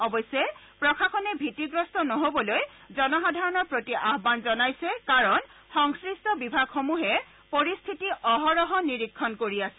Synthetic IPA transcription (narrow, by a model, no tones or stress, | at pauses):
ɔbɔjsɛ | pɹɔkʰakʰɔnɛbʱitiɡɹɔstɔnɔɦobɔlojzɔnɔxadʱaɹɔnɔɹpɹotiʔaɦbanzɔnajsɛkaɹɔnxɔŋskɹistɔbibʱaɡxomuɦɛ | poɹist̪ʰitiʔɔɦɔɹɔɦɔniɹikʰːɔnkoɹiasɛ